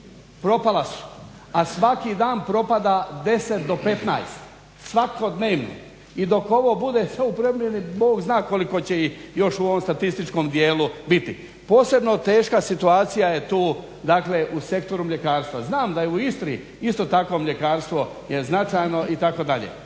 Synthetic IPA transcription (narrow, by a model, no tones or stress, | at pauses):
pɾo̞palasu̥ | asʋakid̪aːnpɾo̞pad̪ad̪e̞set̪d̪o̞pe̞t̪na̰jst̪ | sʋako̞d̪ne̞ːʋno̰ | id̪o̞ko̞ʋo̞bud̪esaupɾomʲje̞niboːɡznaːko̞liko̞t͡ɕe̞ijo̞ʃuoʋo̞mst̪at̪ist̪it͡ʃko̞md̪je̞ːlubit̪i | po̞ːse̞bno̞t̪e̞ːʃkasit̪uaːt̪sijajet̪uː | d̪akleʔuse̞kt̪o̞ɾumʎe̞kaːɾst̪ʋaznaːmd̪ajeuist̪ɾḭ | ist̪o̞ːt̪ako̞mʎe̞kaːɾst̪ʋo̞ | je̞znat͡ʃajno̞ʔit̪ako̞d̪aʎḛː